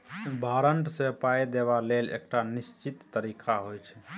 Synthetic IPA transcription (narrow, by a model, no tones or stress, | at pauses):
bʱaɾəɳʈsepajd̪eβalelḛk̚ʈanist͡ʃit̪ːəɾikʰaɦojt͡ʃʰɛ̥